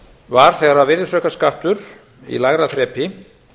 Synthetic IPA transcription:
vaɾ̥θɛɣaɾavɪðsœːkaskaht̪ʏɾ | ḭlaɣɾaθɾɛːpɪ

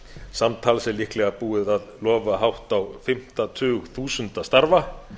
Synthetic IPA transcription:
samt̪ʰaːlsɛlɪhklɛɣapuːɪðaðlɔːvaɦawht̪awfɪm̥t̪at̪ʰʏːɣθuːsʏnt̪ast̪aɾva

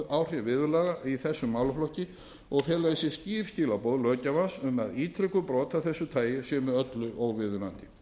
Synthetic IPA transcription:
aːwr̥avɪːðʏlaːɣaiθɛsːʏmːaːwlʏflɔhcɪ | ɔɣfjɛːlajðɪsjɛsciːɾ̥sciːlapɔːðlœːcavansɛmaðiːt̪ʰɾɪkʏpɾɔːt̪aθɛsːʏt̪ʰaːjɪsɛmɪœt̪lʏʔowvɪðʏnant̪ɪ̥

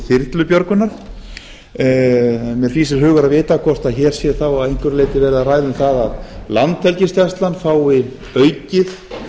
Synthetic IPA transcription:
θɪɾt̪lʏpjœɾkʏnːaɾ̥ | mjɛɾ̥fiːsɪɾ̥ɦʏːɣʏɾaðvɪːt̪akʰvɔr̥t̪aðçɛːɾ̥sjɛθawaðejŋ̥kʏɾleːjt̪ɪvɛːɾɪðaraːjðʏmθaðaðlant̪fɛlcɪst̪jast̪lanfaːwɪ | œːɥcɪθ

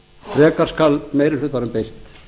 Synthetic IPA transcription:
rɛːkaɾ̥skalmeːjɾɪsʏt̪vaːɾʏmpejlt̪

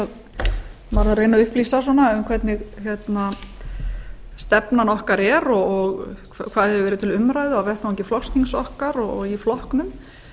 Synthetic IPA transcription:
að | maɾareːjnaʏhplisaswɔnaʏmkʰvɛt̪nɪɣçɛt̪na | st̪ɛpnanɔhkaɾɛɾɔɔɣkʰakʰvaːðhɛvɪvɛːɾɪt̪ʰɪlʏmɾaːjðʏawvɛr̥t̪awɛɲcɪflɔkst̪iŋsɔhkaɾɔɔɣiflɔhknʏm

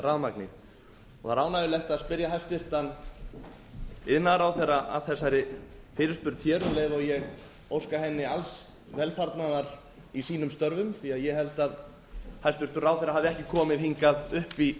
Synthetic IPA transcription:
raðmaknɪ | ɔɣθaɾaːwnaðɪlɛht̪aðspɪɾjaɦajst̪vɪr̥t̪an | ɪðnaɾawθɛraa̰ðθɛsːajɾɪfɪːɾɪspʏɾt̪çjɛːɾʏleːvɔɣjɛɣ | owskaɦɛnːɪals | vɛlfaɾt̪naðaɾ | isiːnʏmst̪œɾvʏmθiaðjɛhɛlt̪að | hajst̪vɪɾ̥t̪ʏɾaːwθɛɾaɦavðɪɛhcɪkʰɔːmɪðhiŋkaðʏhpi

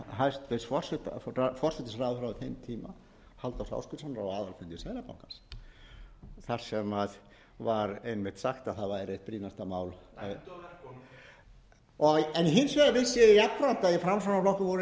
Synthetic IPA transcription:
ɦajst̪vɪsfɔr̥sɪt̪aafɔr̥sɛt̪ɪsraːðʏfɾawɪθhejmt̪ʰiːma̰ | halt̪awsa̰wskʏshanɾawaːðalfɪnt̪ʏsaːjlapa̰wŋkans | θaɾ̥sɛmað | vaɾejnmɪht̪saxt̪aðθaðvaɛɾrejht̪̚pɾiːnast̪amaːwl | ɔɛniɦɪnsvɛːɾavɪsːjɛjak̪ːɾant̪aifɾamsanaflɔhkʏvɔɾ

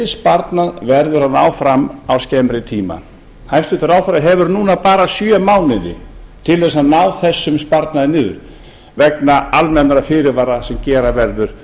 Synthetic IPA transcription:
ɪspaɾt̪naðvɛɾðʏɾ̥hanːaːwfɾamawscɛmɾɪt̪ʰiːma̰ | hajst̪ʏt̪ʏɾaːwθaɾaɦɛvʏɾnuːnapaːɾasjœmaːwnɪðɪ̰t̪ʰɪlɛs̬aðnawθɛsːʏmspaɾt̪naðɪnɪːðʏɾ | vɛknaalmɛnaɾafɪːɾɪvaːɾasɛmcɛːɾavɛɾðʏɾ̥

